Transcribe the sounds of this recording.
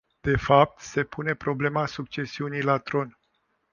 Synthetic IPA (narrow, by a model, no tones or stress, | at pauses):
d̪̥e̞fap̚t̪se̞pune̞pɾo̞ble̞masuk̚t͡ʃe̞siunijlat̪ɾo̞n